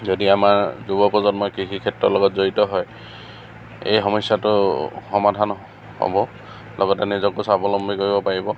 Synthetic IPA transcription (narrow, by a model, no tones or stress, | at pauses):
zodiamaɹzubɔpɔzɔnmɔjkikʰikʰɛtɹɔlɔɡɔtzoɹitɔɦɔj | ḛjɦɔmɔsjatʊxɔmadʱan | hɔ̰bɔ | lʔɔɡɔtɛnɛzɔkusabɔlɔmbʱikoɹibɔpaɹibɔ